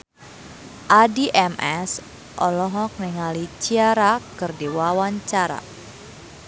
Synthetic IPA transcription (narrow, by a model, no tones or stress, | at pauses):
ʔadiʔɛmɛs | ʔɔlɔɦɔk̚niŋalit͡ʃiaɾakɨrdiwawaɲt͡ʃaɾa̰